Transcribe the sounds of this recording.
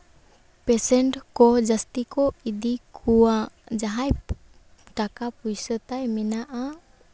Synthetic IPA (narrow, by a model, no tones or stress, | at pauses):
pesɛɳʈkɔd͡ʒəst̪ikɔid̪ikuwad͡ʒaɦaj | ʈakapujsət̪ajmɛnaʔa